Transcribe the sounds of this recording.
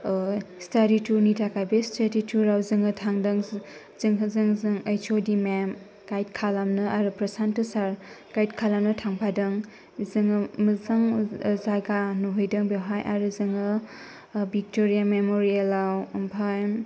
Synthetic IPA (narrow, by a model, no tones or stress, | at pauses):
staɾitunitʰakʰajbestadituɾawzɯŋɯtʰaŋdɯŋ | zɯŋɦɯzɯŋzɯŋəjt͡ʃʰodimam | ɡ̥ajt̚kʰalamnɯʔaɾɯpɾɐsantusaɾ | ɡ̥ajtkʰalamnɯtʰaŋpʰadɯŋ | zɯŋməzaŋzaɡanuɦojdɯŋbewɦajʔa̰ɾɯzɯŋɯ | bik̚toɾijamemoɾielawmpʰajm